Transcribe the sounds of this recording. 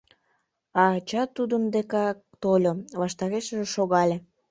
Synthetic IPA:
ɑt͡ɕɑt̪ud̪ənd̪ekɑk̚t̪olʲoβɑʃt̪ɑɣeʃəʒeʃoɣɑlʲe

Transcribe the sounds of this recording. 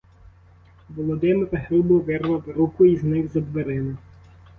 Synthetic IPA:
ʋɔlˠɔd̪ɪmɪɾɐɦɾubɔʋɛrʋɐʋɾukʊiznɪɣzɐd̪ʋeɾɪnɐ

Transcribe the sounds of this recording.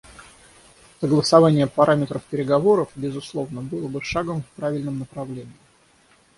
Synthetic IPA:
səɡlˠəsɐvanʲɪjəpɐɾʔamʲɪt̪ɾəfpʲɪɾʲɪɡɐvo̞ɾəfbʲɪzʊslˠo̞vnəbɨlˠəbɨʂaɡəmfpɾavʲɪlʲnəmnəpɾɐvlʲenʲɪɪ

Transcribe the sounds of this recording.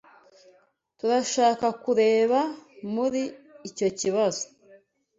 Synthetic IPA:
tuɾaʃaːkakuɾe̞ːβamuɾiːco̞ciβazo̥

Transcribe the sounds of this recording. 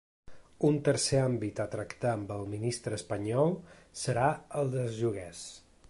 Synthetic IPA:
unt̪əɾseambit̪ət̪ɾəkt̪aəmbəlˠminist̪ɾəːspəɲɔlˠsəɾaəlˠd̪əzʒuɣɛs

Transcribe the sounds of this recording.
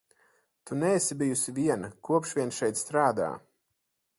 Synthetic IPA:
t̪unɛːsibijusiviɛnɐkuɔpʃviɛnʃɛjt̪st̪ɾaːd̪a̰ː

